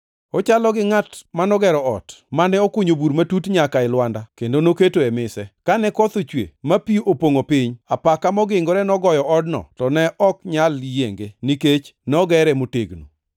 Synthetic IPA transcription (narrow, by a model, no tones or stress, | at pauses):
ɔt͡ʃalɔɡɪŋatmanɔɡɛɾɔɔ̰tmanɛɔkuɲobuɾmatutɲakaɪlwandakendonoketoɛmɪsɛkanɛkɔt̪ot͡ʃwḛmapiʔopoŋopɪɲapakamɔɡɪŋɡoɾɛnɔɡɔjɔʔɔdnɔ̰tɔnɛʔɔkɲaljeŋɡeniket͡ʃnɛɔɡɛɾɛmoteɡnṵ